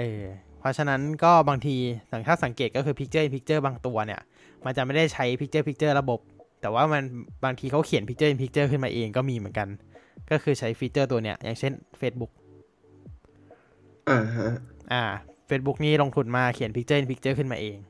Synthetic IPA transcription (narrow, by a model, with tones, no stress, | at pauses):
ʔɤː˧˩pʰɾɔ˦˥t͡ɕʰa˧na˦˥nkɔː˥˩baː˧ŋt̪ʰiː˧t̪ʰa˨˩ŋt̪ʰaː˥˩sa˩˦ŋkeː˨˩kɔː˥˩kʰɯː˧pʰi˦˥k̚t͡ɕɤː˥˩ʔe˧npʰi˦˥k̚t͡ɕɤː˥˩baː˧ŋt̪u˧ɐni˦˥˩ɐ | ma˧nt͡ɕa˨˩ma˥˩jda˥˩jt͡ɕʰa˦˥jpʰi˦˥k̚t͡ɕɤː˥˩pʰi˦˥k̚t͡ɕɤː˥˩ɾa˧bo˨˩p̚t̪ɛː˨˩waː˥˩ma˧nbaː˧ŋt̪ʰiː˧kʰa˦˥wkʰi˨˩˦npʰi˦k̚t͡ɕɤ˥˩ʔe˧npʰi˦˥k̚t͡ɕɤː˥˩kʰɯ˥˩maː˧ʔeː˧ŋkɔː˥˩miː˧mɯ˨˩˦nka˧nkɔː˥˩kʰɯː˧t͡ɕʰa˦˥jpʰi˦˥t̚t͡ɕɤː˥˩t̪̬u˧ɐni˦˥ɐjʔa̰˨˩ŋt͡ɕʰe˥˩nfeː˦˥t̪̚bu˦˥k̚ | ʔaː˧˩˦ʔaː˧˩feː˦˥t̪̚bu˦˥k̚niː˥˩lo˧ŋt̪ʰu˧nmaː˧kʰi˨˩˦npʰi˦˥k̚t͡ɕɤː˥˩ʔnpi˦˥k̚t͡ɕɤː˥˩kʰɯ˥˩nmaː˧ʔeː˧ŋ